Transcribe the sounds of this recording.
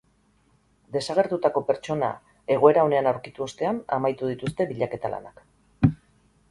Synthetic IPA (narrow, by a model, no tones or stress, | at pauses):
d̪e̞saɣ̞e̞ɾt̪ut̪ako̞pe̞ɾt͡ʃo̞na̰ | e̞ɣ̞o̞e̞ɾao̞ne̞anawɾkit̪uo̞st̪e̞ana̰majt̪uð̞it̪ust̪e̞βiʎake̞t̪alʔa̰nak